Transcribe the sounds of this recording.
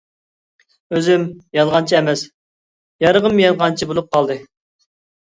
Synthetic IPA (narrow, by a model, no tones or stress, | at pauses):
øzɪmjɑd̪ʁɑnt͡ʃʰiɛmɛs | jɑɾəʁəmjɑzʁɑnt͡ʃʰibolˠup̚qʰɑlˠd̪ɨ